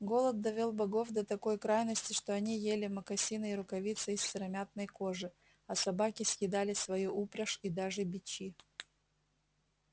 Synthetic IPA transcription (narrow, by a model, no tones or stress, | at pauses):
ɡo̞lˠət̪̚d̪ɐvʲolˠbɐɡo̞fd̪ɐt̪ɐko̞jkɾajnəsʲtʲɪʂt̪oɐnʲijelʲɪməkɐsʲinɨɪɾʊkɐvʲit̪sɨɪssʲɪɾɐmʲat̪̚nəjko̞ʐɨ | ɐsɐbakʲɪsʲjɪd̪alʲɪsvɐjuʔupɾʲɐʂid̪aʐɨbʲɪt͡ɕi